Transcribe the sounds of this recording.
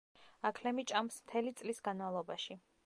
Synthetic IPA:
akʰlɛmit͡ʃʼamsmt̪ʰɛlit̪sʼlisɡanmalˠɔbaʃi

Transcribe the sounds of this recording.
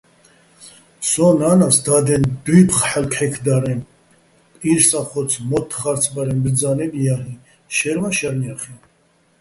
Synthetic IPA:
sɔnaːnasd̪ad̪ɛnd̪wipʰχħɛlkʰɛkʰd̪aɾɛnʼ | iɾsaχɔt͡sʰmɔt̪ʰːχaɾt͡sʰbaɾɛnbd͡zanɛbjaɦi | ʃɛɾmaʃɛɾnjaχi

